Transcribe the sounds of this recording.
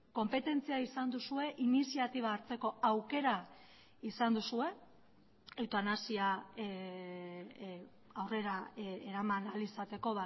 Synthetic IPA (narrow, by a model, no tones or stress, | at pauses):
ko̞mpe̞t̪e̞nt͡siaisand̪usue̞ʔinisiat̪iβaːɾt͡se̞ko̞awke̞ɾa | isand̪usue̞ | ewt̪anasia | awre̞ɾaeɾamanalisat̪e̞ko̞βa